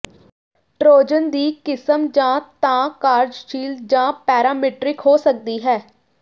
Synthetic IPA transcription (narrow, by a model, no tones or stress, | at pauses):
ʈɾoːd͡ʒənd̪iːkɪsəmd͡ʒãːt̪ãːkaːɾd͡ʒʃiːld͡ʒãːpɛːɾaːmeːʈɾɪkɦoːsək̚d̪iːɦɛː